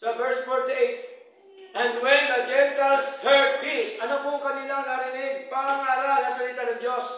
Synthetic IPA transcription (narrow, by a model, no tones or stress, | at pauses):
sɐvɛɹsfɔɹt̪et̪ | ʔɛ̃nd̪wɛ̃nɐɡɛnt̪alsd̪ɛɹd̪̚pisɐnopʊkɐnilaŋnɐɾɪnɪɡ̚paɾaŋaːɾalɐsɐlit̪anɐ̃ŋd͡ʒos